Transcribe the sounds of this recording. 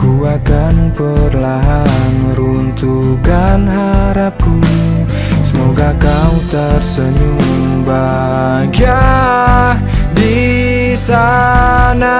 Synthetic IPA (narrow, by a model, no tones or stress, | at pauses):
kuakanpərlaɦanɾunt̪ukanhaɾap̚ku | səmoɡakaut̪ərsəɲuŋ | ba | ɡia | bi | sa | na